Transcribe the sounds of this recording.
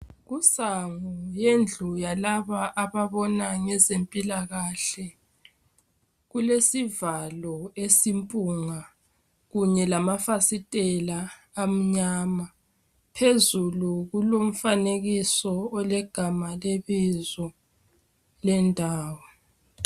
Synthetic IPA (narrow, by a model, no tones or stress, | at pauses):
ɣusaŋujend͡ɮʱujalaβaʔaβaβɔnaŋɛzempʼilaɣaɬɛ | ɣulesivalɔesimpʼuŋa | ɣuɲɛlamafasitʼɛlaː | m̩ɲaːma | pʰezuluɣulom̩faneɣisɔːlɛɡ̥ʱamaleβizɔ | lɛndʱaːwɔ